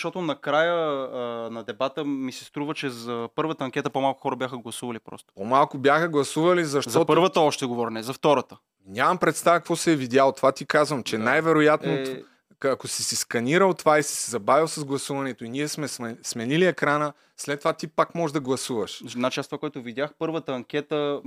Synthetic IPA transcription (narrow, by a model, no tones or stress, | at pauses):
ʃt̪ɔt̪ʊnɐkɾajə | nɐd̪ɛbat̪əmisɛ̥st̪ɾuvət͡ʃɛzɐpɤɾvət̪əɐŋkʲɛt̪əpomalˠkʊ̥xɔɾəbʲjaxəɡlˠɐsuvɐlipɾɔ̰st̪o̥pomalˠkʊbjaxəɡlˠɐsuvɐlizɐʃt̪ɔpɤɾvət̪əɔʃt̪ɛɡovɔɾnɛzɐft̪ɔɾət̪ə | nʲamɐmpɾɛt̪st̪avəkvɔsɛɛvid̪ʲjalˠot̪ovat̪ikazvəmt͡ʃɛnajvɛɾojat̪no | ɐkosisiskɐniɾəlˠt̪ovaisi̥sɛzɐbavilˠsɐzɡlˠɐsuvɐnɛt̪oiniɛsmɛsmɛsmɛniliɛkɾanə | slɛt̪ːovat̪ipakmɔʒd̪ɐɡlˠɐsuvɐʃd̪nat͡ʃasvakoɛt̪ʊvidʲjaxpɤɾvət̪əɐŋkʲɛt̪ə